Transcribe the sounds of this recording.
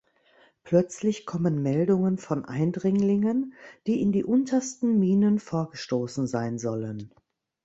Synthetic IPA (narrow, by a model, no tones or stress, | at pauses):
pl̥œt͡slɪçkʰɔmənmɛldʊŋənfɔnʔa̰ɪndʁɪŋlɪŋənd̥iːɪndiːʔʊntʰɐstn̩miːnənfoːɐɡəʃtoːsn̩zaɪnzɔlən